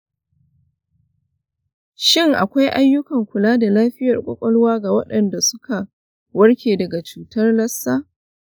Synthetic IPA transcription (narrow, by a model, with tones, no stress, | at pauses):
ʃɪ˦ŋʔa̰˨kʷa˦jʔa˦jːʊ˦kɐ˨ŋkʷʊ˨laː˦da˨laː˦ɸɪ˦jɐ˨rkʷʼɔ̰˦kʷʼɔ˦lwaː˦ɡa˨wɐ˦ɗɐ˨nda˨sʊ˦ka˨ | wɐ˦rkʲeː˨dɐ˨ɡa˨t͡ʃuː˨tɐ˦rlɐ˦sːaː˦